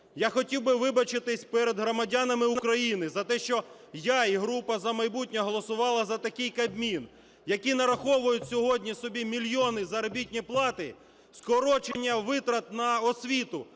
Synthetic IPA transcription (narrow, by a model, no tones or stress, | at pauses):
jaxɔtʲiwbɪʋɪbɐt͡ʃɪt̪ɪsʲpɛɾed̪ɦɾɔmɐdʲanɐmɪuɐkɾɐjinɪzɐt̪ɛʃt͡ʃɔ | jaiɦɾupɐzɐmɐjbut̚ʲnʲɔɦɔlˠɔsʊʋɑlˠɐzɐt̪ɐkɪjkɐbmʲin | jɐkʲinɐɾɐxɔʋʊjʊtʲsʲɔɦɔdʲnʲisɔbʲimʲilʲjɔnɪzɐɾɔbʲitʲnʲiplˠɑt̪ɪ | skɔɾɔt͡ʃenʲːɐʋɪt̪ɾɐt̪̚nɐɔsʲʋʲit̪ʊ